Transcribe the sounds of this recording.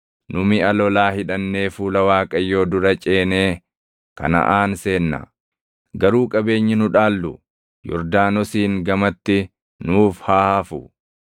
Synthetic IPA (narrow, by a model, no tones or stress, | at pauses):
nʊmɪɐlɔlaːhɪᶑɐnːe̞ːfuːlɐwaːkʼɐjːo̞ːd̪ʊɾɐt͡ʃʼe̞ːne̞ː | kɐ̰nɐ̰ʔaːnse̞ːnːɐ̰ | ɡɐɾuːkʼɐbe̞ːɲːɪnʊᶑaːlːʊ | jɔ̰ɾd̪aːnɔsiːŋɡɐmɐt̪ːɪ | nuːfhaːhɐfʊ